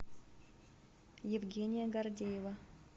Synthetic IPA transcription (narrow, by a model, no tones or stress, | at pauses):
jɪvɡʲenʲɪjəɡɐrdʲejɪvə